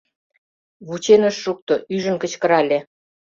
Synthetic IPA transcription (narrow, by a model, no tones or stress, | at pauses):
βut͡ɕenəʃːuk̚t̪oʔyʒə̆nkə̆t͡ɕkə̆ɾɑlʲe